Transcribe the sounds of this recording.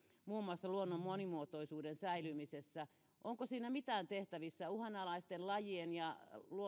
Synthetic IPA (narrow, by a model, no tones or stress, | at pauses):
muːmuɑsːɑluonːommonimuot̪oisuːdensæilymisesːæ | ʔoŋkosiːnæmit̪æːnt̪eht̪æʋisːæuhɑnɑlɑist̪enlɑjienjɑluo